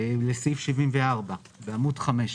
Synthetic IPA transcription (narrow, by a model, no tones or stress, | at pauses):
lesifʃivimveaʁba | beamudχame̞ʃ